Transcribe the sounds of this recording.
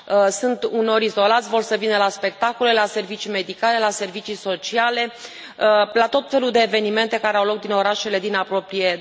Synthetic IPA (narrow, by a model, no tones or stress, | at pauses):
sunt̪uno̞ɾizo̞lat̪sʲvo̞rsəvinəlaspe̞k̚t̪ako̞le̞lase̞rvit͡ʃime̞d̪ikale̞lase̞rvit͡ʃiso̞t͡ʃiale̞ | lat̪o̞t̪fe̞luld̪e̞ːve̞nime̞nt̪e̞kaɾeawlo̞k̚d̪ino̞ɾaʃe̞le̞d̪inapɾo̞pɾije̞